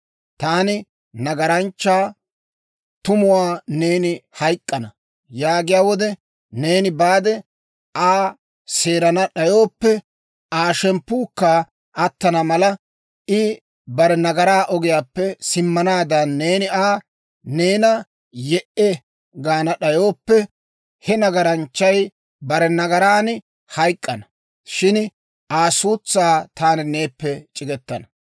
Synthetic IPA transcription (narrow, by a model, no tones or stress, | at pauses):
t̪aːnɪ | nɐɡɐɾɐnt͡ʃːaː | t̪ʊmʊwaːne̞ːnɪhɐjkʼːɐnɐ | jaːɡɪjaːwɔd̪ɛ | ne̞ːnɪbaːd̪ɛ | ʔaː | se̞ːɾɐnɐɗɐjo̞ːpːɛ | ʔaːʃɛmpːuːkːaː | ʔɐt̪ːɐnɐmɐlɐ | ɪ | bɐɾɛnɐɡɐɾaːʔɔɡɪjaːpːɛsɪmːɐnaːd̪ɐnːe̞ːnɪaː | ne̞ːnɐ | jɛʔɛ | ɡaːnɐɗɐjoːpːɛ | hɛnɐɡɐɾɐnt͡ʃːɐj | bɐɾɛnɐɡɐɾaːn | hɐjkʼːɐnɐ | ʃɪn | ʔaːsuːt͡sːaːt̪aːnɪne̞ːpːɛt͡ʃʼɪɡɛt̪ːɐnɐ